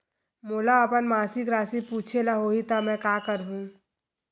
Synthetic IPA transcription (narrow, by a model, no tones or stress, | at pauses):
moːlaɐpənmaːsɪkɾaːsipuːt͡ʃʰelaɦoːɦit̪amɛ̃ːkaːkəɾɦũː